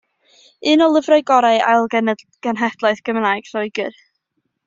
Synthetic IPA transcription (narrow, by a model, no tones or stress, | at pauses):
ɨːnɔlˠəvrajɡɔɾaɨa̰jlˠɡən | ɡ̥ənɦɛd̥lˠaɨθɡ̥əmnajɡ̥sɔɨɡɨ̰r